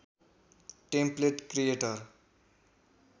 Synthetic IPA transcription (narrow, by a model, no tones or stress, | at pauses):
ʈempleʈkɾijeʈʌr